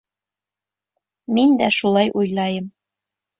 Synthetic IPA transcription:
mind̪æʃulˠɑjʔujlˠɑjɤm

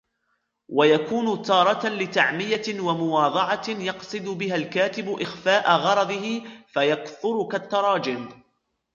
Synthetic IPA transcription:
wajakuːnʊt̪ɑːɾˤɑt̪alɪt̪aʕmɪjawamʊwɑːd̪ˤɑʕɑjɑqsˤɨd̪ʊbɪɦalkaːt̪ɪbʊʔɪxfaːʔaɣɑɾˤɑd̪ˤɨɦɪfajakθʊɾʊkat̪ːɑɾˤɑːd͡ʒɪm

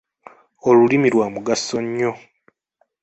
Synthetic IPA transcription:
o̞lulimiɾwaːmuɡasːoɲːo̞

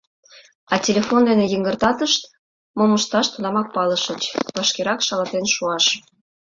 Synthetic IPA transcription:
ɑtʲelʲefond̪enejəŋɡərt̪ɑt̪əʃt̪ | moməʃt̪ɑʃt̪unɑmɑk̚pɑləʃə̆t͡ɕβɑʃkeɾɑkʃɑlɑt̪enʃuɑʃ

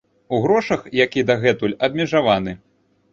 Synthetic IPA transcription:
uɣɾɔʂɐxjakʲid̪ɐɣɛt̪ulʲɐb̚ʲmʲɛʐavanɨ

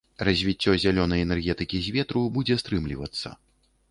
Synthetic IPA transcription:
rɐzʲvʲit͡sʲːɔzʲalʲɔnɐjɛnɛrɣʲɛt̪ɨkʲizʲvʲɛt̪ɾubud͡zʲɛst̪ɾɨmlʲḭvɐ̰t̪sːɐ̰

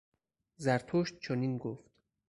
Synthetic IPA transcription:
zæɾt̪ʰoʃt̪̚t͡ʃʰoniːnɡoft̪

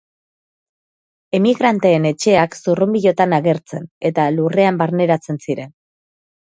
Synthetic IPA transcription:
e̞miɣɾant̪e̞ːne̞t͡ʃe̞aksurumbiʎo̞t̪anaɣe̞ɾt͡se̞ne̞t̪alure̞ambaɾne̞ɾat͡se̞nsiɾe̞n

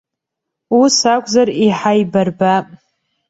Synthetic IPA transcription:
usakʷʰʼzariħajbarbapʼ

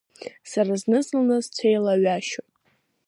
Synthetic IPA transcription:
saɾaznɨzɨlnazt͡sʷʰejlaɥaʃotʼ

